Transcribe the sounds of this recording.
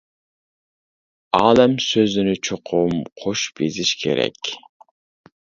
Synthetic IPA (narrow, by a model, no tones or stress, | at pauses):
ɑːlɛmsøzɪnɪt͡ʃʰoqʰʊmqʰoʃb̥eziʃkʲʰḛɾɛ̰kʲ